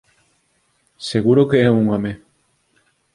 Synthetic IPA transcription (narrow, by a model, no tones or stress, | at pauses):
seɣuɾokeɛuŋome